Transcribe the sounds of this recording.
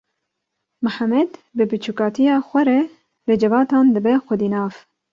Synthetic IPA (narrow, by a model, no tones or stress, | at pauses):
mʊħamɛd̪bɨbɨt͡ʃʰukɑːt̪ʰijɑːxʷɛɾɛ | lɨd͡ʒɛvɑːt̪ɑːnd̪ɨbɛxʷɛd̪iːnɑːv